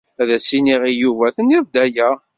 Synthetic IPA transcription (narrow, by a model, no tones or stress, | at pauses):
æðæsiniʁijuvæθəniðd̪æjæ